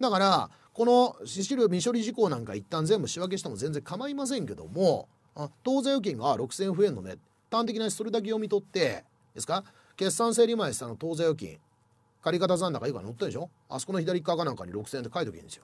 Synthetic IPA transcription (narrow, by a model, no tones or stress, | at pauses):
d̪akaɾa | ko̞no̞ɕiɕiɾɯ̟mʲiɕo̞ɾʲiʑiko̞ːnãŋkait̪ːãnd͡zẽ̞mbɯ̟ɕiβak̬e̞ɕit̪emo̞zẽnd͡zzẽ̞ŋkamaimas̬ẽ̞ŋke̞d̪o̞̰mo | ãt̪o̞ːzajo̞k̬ʲĩŋɡaɾo̞kɯ̟sẽɰ̃ɸɯ̟e̞nːo̞̰nḛ | t̪ːãnt̪e̞kʲinai̥so̞ɾed̪ak̬ejo̞mʲit̪o̞t̪ːe̞ | d̪e̞sɨ̥ka | ke̞sːãɰ̃s̬e̞ːɾʲimaesi̥t̪ano̞t̪o̞ːzajo̞kʲḭ̃ŋ | kaɾʲikat̪azãnd̪akaika̰not̪ːẽnd̪eɕo̞ | a̰sokonoçid̪aɾʲikːakanãŋka̰ɲ̟ḭɾo̞kɯ̟sẽnt̪e̞kait̪okḭ̃nd̪e̞sɨjo